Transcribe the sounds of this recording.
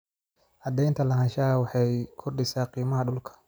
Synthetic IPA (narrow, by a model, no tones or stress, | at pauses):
ʔɑd̪ɛjnt̪ʰɐlɐɦɐʃaːwɑħɑjkʰʊrɖɪsaːqiːmɐɦɐɖʊlkʰɐ̥